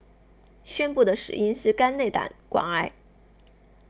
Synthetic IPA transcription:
ɕɥɛ˥npu˥˩d̪ə˩ʂɻ̩̰˨˩i˥nʂɻ̩˥˧ka˥nne˥˩ɪt̪a̰˨˩˦nkwɑ̰˨˩ŋa˥ɪ

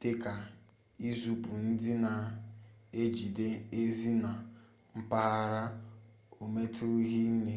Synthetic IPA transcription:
te˦ka˨ | i˦zu˨pu˨n̩˦dɪ˦na˨ | e˦d͡ʒi˨de˦e˦zi˦na˨ | m̩˦pa˦a˦ɾa˦ | o˨me˦tʊ˦ɦi˦ne˨

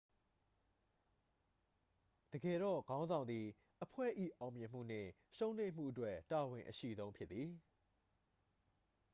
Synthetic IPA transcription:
d̥əɡɛ˨ɾɔ̰˦˨ɡã˦ʊ̃nzã˨nd̪i˨ | ʔəpʰwɛ̰˦˨ʔḭ˦˨ʔã˨ʊ̃mjɪ̃˨m̥ṵ˦˨n̥ɪ̰̃˦˨ | ʃõ˦ʊ̃nlẽ˦˨m̥ṵ˦˨ʔətwɛ˦ta˨wɪ̃˨ʔəʃḭ˦˨zõ˦ʊ̃mpʰjɪ˦t̪ːi˨

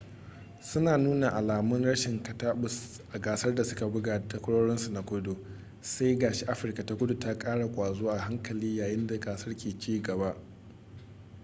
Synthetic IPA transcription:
sʊ˦naː˨nuː˦na˨ʔa˨laː˨mʊ˦nɽɐ˦ʃɪ˨ŋkɐ˨taː˦ɓʊ˨s | ʔa˨ɡaː˨sɐ˦rda˨sʊ˦ka˨bʊ˦ɡaː˨ta˦kʷʊ˦ɽoː˦ɽɔ˦nsu˨na˨kʷʊ˦do˨ | sa˦jɡaː˨ʃe˦ʔa˦ɸɪ˨rka˨ta˦kʷʊ˦du˨ta˦kʼaː˦ɽa˨kʷʼaː˨zoː˦ʔa˨ɦa˦ŋkɐ˨liː˦jaː˨jɪ˦nda˨ɡaː˨sɐ˦rkʲeː˨t͡ʃiː˦ɡɐ˨ba˦ʔ

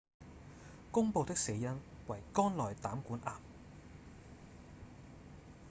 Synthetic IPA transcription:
kʊ˥ŋpo˨˧wt̪ɪ˥k̚se˨˧˥jɐ˥nwɐ˨jkɔː˥nlɔː˨jt̪aː˨˥mkuː˨˥nʔaː˨m

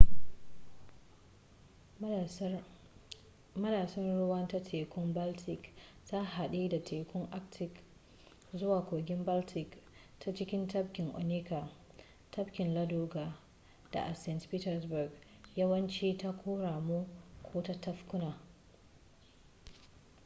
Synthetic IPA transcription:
mɐ˦daː˨sɐ˦nɽʊ˦wɐ˦nta˦tʰeː˨kʷʊ˦mba˦ltʰɪ˨k | ta˦ɦa˨ɗiː˦da˨tʰeː˨kʷʊ˦ŋʔa˦ktʰɪ˨k | zʊ˦waː˨kʷoː˨ɡʲɪ˦mba˦ltʰɪ˨k | tʰa˦t͡ʃɪ˦kʲɪ˦ntɐ˦p̚kʲɪ˨ŋʔo̰˨niː˦ka˨ | tʰɐ˦bkʲɪ˨nlɐ˦duː˦ɡa˨ | d̥a̰˨ʔa˨sɛ˦ntpiː˦tɛ˨rsbʊ˨ɡ | jɐ˦wɐ˦nt͡ʃiː˦ta˦kʷʰoː˦ɽaː˨mu˦kʷʰoː˦ta˦tɐ˦ɸkʊ˦naː˨

